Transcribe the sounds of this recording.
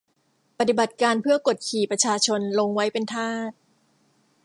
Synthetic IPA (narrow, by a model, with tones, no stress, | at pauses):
pa˨˩t̪i˨˩ba˨˩t̪̚kaː˧npʰɯ˥˩ɐko˨˩t̪̚kʰiː˨˩pɾa˧t͡ɕʰaː˧t͡ɕʰo˧nlo˧ŋwa˦˥jpe˧nt̪ʰaː˥˩t̪̚